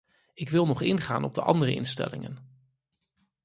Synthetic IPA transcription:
ɪkʋɪlˠnɔχɪnχa̰ːnʔɔb̚dəʔɑ̰ndərəʔɪnstɛ̰lɪŋən

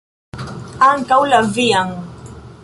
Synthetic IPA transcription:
aŋkawlaviaŋ

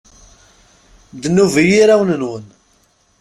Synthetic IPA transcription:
d̪nːuvijiɾawənənwən

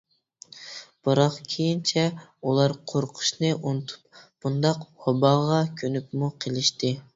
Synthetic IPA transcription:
b̥ɨɾɑqkʲʰejint͡ʃʰɛulˠɑɾqʰoɾqʰʊ̥ʃnɨʔunɨt̪ʰu̥p̚b̥und̪ɑqwɑbɑʁɑkʲʰønyp̚muqʰəlˠɪʃt̪ɪ

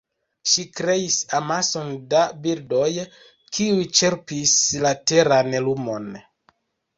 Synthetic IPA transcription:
ʃikɾe̞isamaso̞ndabildo̞j | kʰiujt͡ʃe̞ɾpislate̞ɾanlumo̞n

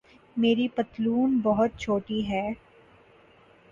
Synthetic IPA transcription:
meːɾipɐt̪luːnbɐɦʊt̪̚t͡ʃʰoːʈiɦɛː

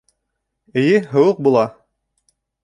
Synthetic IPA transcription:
ɘ̆jɘɦɤ̆wɤq̚bulˠɑ

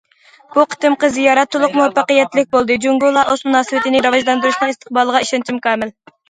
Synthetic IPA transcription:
b̥uqʰə̥t̪ɨmqəzijɑɾɛt̪ʰːulˠʊqmuwɛpʰːɑqəjɛt̪ːlɪk̚ʲbolˠd̪ɨd͡ʒuŋɡulˠɑʔozmunɑːsɨwɪt̪ɪnɪɾɑvɑʒlˠɑnd̪uɾuʃnɨŋɪst̪ʰə̥q̚bɑlˠəʁɑiʃɑnt͡ʃʰimkʰɑːmɪl

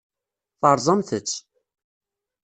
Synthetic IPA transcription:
θɑɾˤzˤɑmθət͡sː

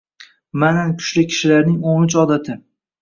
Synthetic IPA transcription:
manakʰʊ̥ʃlɪkʲʰɪ̥ʃɪlaɾnɪŋonʊt͡ʃɒd̪at̪ʰɪ

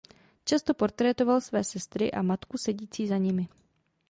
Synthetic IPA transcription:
t͡ʃast̪o̞po̞ɾt̪ɾɛt̪o̞valsvɛːsɛst̪ɾɪʔa̰mat̪kusɛɟiːt͡siːzaɲɪmɪ

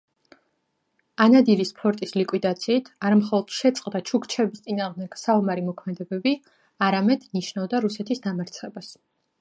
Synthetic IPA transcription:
anad̪iɾispʰɔɾt̪ʼislikʼwid̪at̪sʰiːt̪ʰaɾamχɔlˠɔd̪̥ʃɛt̪sʼqʼd̪at͡ʃʰukt͡ʃʰɛbist̪sʼinaːʁmd̪ɛɡ̥saumaɾimɔkʰmɛd̪ɛbɛbi | aɾamɛd̪̥niʃnavd̪aɾusɛt̪ʰisd̪amaɾt̪sʰχɛbas

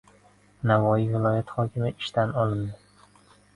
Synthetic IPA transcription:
navɒjivɪlˠɒjat̪χɒkʲʰɪmɪɪʃt̪ʰanɒlˠɪnd̪ɪ

